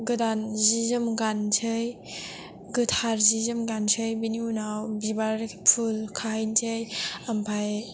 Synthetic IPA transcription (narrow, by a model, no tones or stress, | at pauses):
ɡɯdanzizɯmɡant͡ʃʰɯj | ɡɯtʰaɾzizɯmɡant͡ʃʰɯjbiniunawbibaɾpʰulkʰajntʰɯjampʰaj